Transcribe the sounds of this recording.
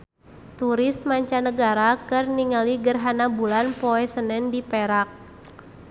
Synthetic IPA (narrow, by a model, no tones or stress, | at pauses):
t̪uɾɪsmaɲt͡ʃanəɡaɾakɨrniŋaliɡərɦanabulanpoɛsənɛndipɛɾak̚